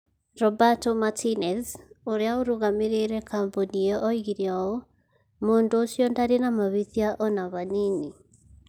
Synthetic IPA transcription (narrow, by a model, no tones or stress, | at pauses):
ɾɔbatɔmatʰinɛθoɾeaoɾuɣameɾeɾɛkamboniɛʔɔiɣiɾjɔo | mondoːsjɔndaɾenamaβiθjaʔɔnaβanini